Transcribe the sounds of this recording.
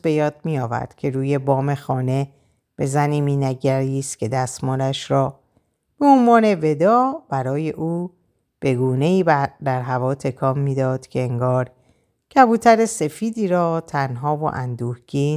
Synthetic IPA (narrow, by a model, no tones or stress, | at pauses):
be̞jɒːd̪̥̚mijɒːvæ̰ɾd̪̥cʰe̞ɾuːje̞bɒːme̞xɒːne̞ | b̥e̞zæniːmiːnæɟæɾiːst̪cʰe̞d̪æst̪mɔːɾæʃɾɒː | b̥e̞onvɒːne̞ve̞d̪ɒːb̥æɾɒːje̞ʔuː | b̥e̞ɡuːne̞iːbd̪æɾɦævɒːt̪ʰe̞kʰɒːmːiːd̪ɒːd̪̥cʰe̞eŋɡɒːɾ | cʰæbuːt̪ʰæɾese̞fiːd̪iːɾɒːt̪ʰænɦɒːvo̞̰ʔænd̪uːhɡiːn